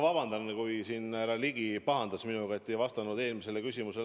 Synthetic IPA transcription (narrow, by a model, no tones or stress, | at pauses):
vɑbɑnd̪ɑnːekujsiːnæɾɑliɡipɑɦɑnd̪̥ɑsminuɡ̥ɑet̪ːejvɑst̪ɑnud̪eːlmise̞lːekysʲimuse̞